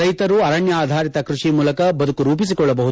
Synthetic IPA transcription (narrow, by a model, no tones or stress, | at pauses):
ɐjt̪ɐɾuɐɾɐɳjɐaːd̪ʱaːɾit̪ɐkɾuʂimuːlɐkɐbɐd̪ukuɾuːpis̬ikɔɭːɐbɐɦu